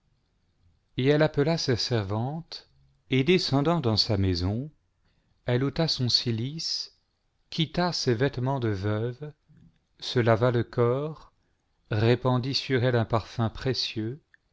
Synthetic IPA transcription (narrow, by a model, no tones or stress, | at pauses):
eɛlapəlasesɛʁvɑ̃t̪ | ed̪esɑ̃d̪ɑ̃d̪ɑ̃samezɔ̃ | ɛlot̪asɔ̃silis | kʲʰit̪asevɛt̪mɑ̃d̪əvœv | səlavaləkʰɔʁː | epɑ̃d̪isyʁɛlɛ̃paʁfɛ̃pχesjø